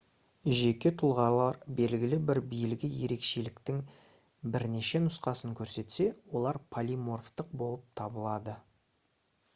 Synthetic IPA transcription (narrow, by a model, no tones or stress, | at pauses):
ʒe̞kʲe̞t̪ʰʊlˠʁɑlˠɑɾbe̞lɡʲɪlɪbɪɾbijɪlɡʲɪje̞ɾe̞kʃe̞lɪkt̪ɪŋ | bɪɾne̞ʃe̞nʊsqɑsəŋkʲʰɵɾse̞t̪se̞wo̞lˠɑɾpʰalʲijmo̞rft̪əq̚bo̞lˠəp̚t̪ʰɑbəlˠɑd̪ə